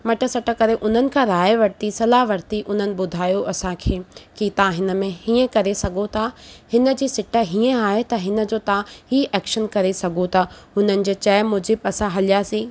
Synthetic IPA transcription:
mɐʈəsɐʈəkɐɾeʔʊn̤ənɪ̆kʰãːɾaːjʋɐɾt̪isɐlaːʋɐɾt̪iʔʊn̤ənɪ̆ɓʊd̪ʱaːjoʔɐsãkʰeːkit̪ɐʋ̤ãɦɪnə̆mẽhiːə̃kɐɾesɐɡʱot̪ʰahɪnə̆d͡ʑiːsɪʈəɦiə̃aːɦet̪ɐɦɪnə̆d͡ʑoːt̪ɐʋ̤ãhiːʔɛːkʃənkɐɾesɐɡʱot̪ʰaːɦʊnənɪ̆d͡ʑeːt͡ɕɐːmʊd͡ʑɪbɐsãɦɐlijaːsĩː

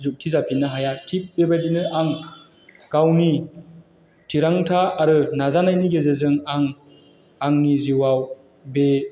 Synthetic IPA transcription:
zuk̚tʰizapʰinɯɦajatʰip̚bebajdinɯʔaŋ | ɡ̥awni | tʰiɾaŋtʰaːɾɯnazanajniɡezɯzɯŋaŋ | aŋniziwaw | be

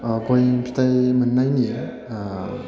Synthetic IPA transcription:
bojpʰi̥t̪ajmənːajni

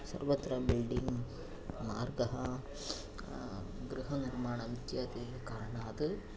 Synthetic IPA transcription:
sɐ̰ɾʋɐt̪ɾɐbilɖiŋɡ | maːɾɡɐɦɐ | ɡɾuɦɐniɾmaːɳɐnt̪jɐt̪i | kaːɾɳaːd̪ɨ

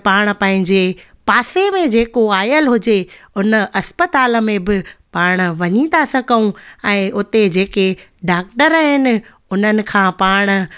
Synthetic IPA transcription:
paːɽ̃̆pɐ̃ɦɪ̃ɲd͡ʑe | paːsemẽd͡ʑeːkoaːjəlɦʊd͡ʑeʊnəʔɐspət̪aːlə̆mẽbɪpaːɽ̃̆ʋɐɲit̪asɐɡəũɛ̃ːʔʊt̪ed͡ʑeːkeɖaːk̚ʈəɾɦɪnɪ̆ | ʊn̤ənɪ̆kʰãːpaːɽ̃̆

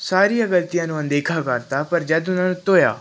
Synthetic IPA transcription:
saːɾijãːɡəlt̪ijãːnũːə̃nd̪eːkʰaːkəɾt̪aːpəɾd͡ʒəd̪ʊnãːnũːt̪oːja̰ː

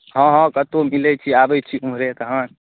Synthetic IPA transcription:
ɦə̃ɦɔ̃kət̪omilɛt͡ʃʰiabɛjt͡ʃʰiumɾek̪əɦə̃

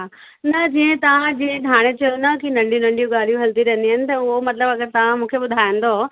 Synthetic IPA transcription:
ɦa | nɐd͡ʑiːə̃t̪ɐʋ̤ãd͡ʑĩːə̃d̪ʱaːɽ̃et͡ɕɐjonɐkinɐ̃ɳɖijũnɐ̃ɳɖijũɠaːl̤ijũɦɐlt̪iɾɐɦənd̪iɦnɪ̆t̪ɐʊɦomɐt̪ləbɐɡəɾt̪ɐʋ̤ãmũːkʰeɓʊd̪ʱaːjɪ̃n̆d̪oː

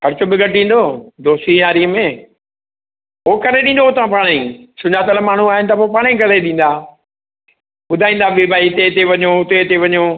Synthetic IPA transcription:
kʰɐɾɪt͡ɕobɪɡɐʈĩːn̆d̪oːd̪oːst̪iɦaːɾiəmẽ | oːkɐɾeɗĩːnd̪oʊt̪ãpaːɽ̃ĩsʊ̃ɲat̪ɐləmaːɳ̤uaːɦɪnɪ̆t̪ɐpopaːɽ̃iɡɐleɗĩːn̆d̪aː | ɓʊd̪ʱaːĩːn̆d̪abeːbaːit̪et̪eʋɐɲoʊt̪et̪eʋɐɲo

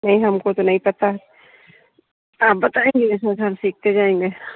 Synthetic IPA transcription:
nɐɦĩɦɐmkot̪onɐɦĩpɐt̪a | aːp̚bɐt̪aːẽːŋɡimɛsasaɾsiːk̚ʰt̪ed͡ʒaːẽːŋɡeː

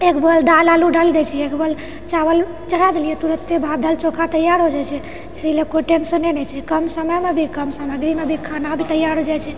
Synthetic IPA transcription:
ekbəlɖalaluɖald̪ɛt͡ʃʰɛekbəl | t͡ʃawəl | t͡ʃəɽ̤ad̪elijɛt̪uɾət̪ːebʱad̪ʱəlt͡ʃokʰat̪əjːaɾɦod͡ʒat͡ʃʰɛ | isilekoʈensənenɛt͡ʃʰɛkəmsəməjmebʱikəmsaməɡɾimebʱikʰanabʱit̪əjaɾɦod͡ʒajt͡ʃʰɛ

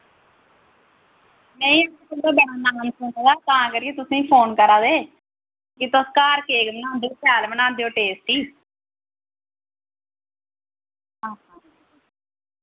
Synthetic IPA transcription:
mɛ̃ːĩːakəd̪aːbəɳaːnaːmsʊnad̪aːt̪aãːkəɾieːt̪ʊsĩːpʰoːnkəɾaːd̪eː | kɪt̪oskaːɾkeːɡmənãːd̪epaːlmənãːnd̪eːoːʈeːsʈiː | ɦãːãː

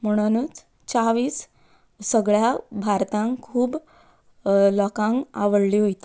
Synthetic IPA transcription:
m̤əɽ̃ənuːt͡s | t͡saʋiːs | səɡɭjabʱaɾt̪ãŋkʰuːb | lɔkãŋka̰ʋəɽliːɦojt̪i

